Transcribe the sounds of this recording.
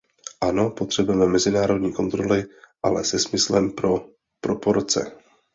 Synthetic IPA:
ʔano̞po̞t̪r̝̥ɛbʊjɛmɛmɛzɪnaːɾo̞dɲiːko̞nt̪ɾo̞lɪʔalɛsɛsmɪslɛmpɾo | pɾopoɾt͡sɛ̰

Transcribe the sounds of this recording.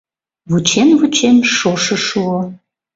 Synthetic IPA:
βut͡ɕemvut͡ɕemʃoʃəʃuo

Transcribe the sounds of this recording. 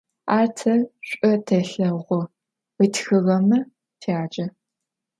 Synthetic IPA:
aːrtʰɐɕʷʼɐtʰɐɬɐʁʷɔ | itxɨʁɐmɐ | tʰaːt͡ʃʼɐ

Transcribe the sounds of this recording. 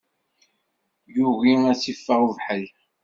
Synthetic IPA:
juɣimæsifːəʁuvħəl

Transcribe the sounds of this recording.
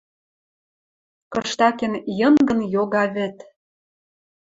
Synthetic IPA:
kɤʃt̪ɑkĕnjɤ̆nɡə̆njoɣɑβɘ̆t̪

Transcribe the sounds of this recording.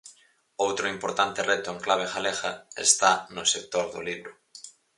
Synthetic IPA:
owt̪ɾʊimpoɾt̪ant̪erɛt̪ʊeŋklaβ̞exalexaḛst̪anʊsek̚t̪oɾðo̰liβɾʊ

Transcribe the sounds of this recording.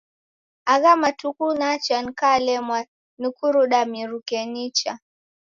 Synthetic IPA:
aɣamatukunat͡ʃan̩kalɛmwa | nukuɾuɗamiɾukɛnit͡ʃa

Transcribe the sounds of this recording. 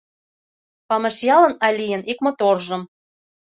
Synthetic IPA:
pɑmɤ̆ʃjɑlɤ̆nɑlʲijə̆nikmŏt̪orʒɤ̆m

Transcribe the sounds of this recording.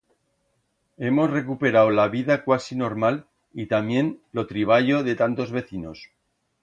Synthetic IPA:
e̞mo̞sre̞kupe̞ɾawlaβiðakwasino̞ɾmal | it̪amje̞nlo̞t̪ɾiβ̞aʝo̞ðe̞t̪ant̪o̞zβe̞θino̞s

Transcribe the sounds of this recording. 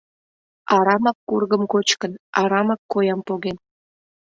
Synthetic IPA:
ɑɾɑmɑkːurɣəmkot͡ɕkənɑɾɑmɑkːojɑmpoɣen

